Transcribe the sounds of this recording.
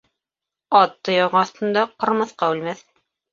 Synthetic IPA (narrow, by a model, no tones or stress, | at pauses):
ɑt̪ːɤ̆jɑʁɑɑθt̪ɤ̆nd̪ɑqɤ̆ɾmɤ̆θqɑʉlmæθ